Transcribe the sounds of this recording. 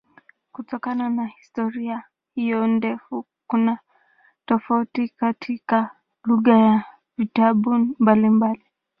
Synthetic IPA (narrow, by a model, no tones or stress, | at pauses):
kutɔkananahistɔɾia | hijɔndɛfu | kuna | tɔfautikatʰika | luɣaja | vitaɓumbalimbali